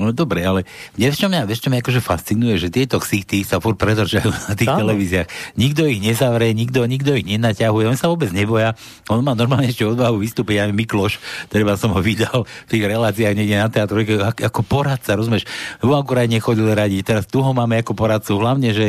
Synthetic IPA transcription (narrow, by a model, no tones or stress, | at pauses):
nɔd̪ɔbɾɛalɛɲɛɛt͡ʃɔmɲaʋɛʃt͡ʃɔmɲaakɔʒɛfast͡sinujɛʒɛt̪ɪɛt̪ɔxsit̪isafuɾpɾɛd̪r̩t͡ʃajunat̪iːxt̪ɛlɛʋiːziaxɲiɡd̪ɔiɣɲɛzaʋɾɛɲiɡd̪ɔɲiɡd̪ɔiɣɲɛnacaɦujɛɔnsaʋɔːbɛd͡zɲɛbɔja | ɔnmaːnɔɾmaːlɲɛɛʃcɛɔd̪baɦuʋist̪uːpinamɛmiklɔʃt̪ɛɾɛbasɔmɦɔʋid̪alft̪iːɣɾɛlaːt͡siaɣɲɛɡɟɛnat̪ɛat̪ɾɔjkaakakɔpɔɾat̪̚t͡saɾɔzumɪɛʃuakuɾadɲɛxɔɟilɛɾaɟict̪ɛɾast̪uɦɔmaːmɛakupɔɾat̪̚t͡suɦlaʊɲɛʒɛ